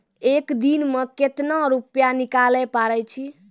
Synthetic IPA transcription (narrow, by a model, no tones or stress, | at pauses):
ekd̪inmeket̪naɾupjanikalɛpaɾɛt͡ʃʰi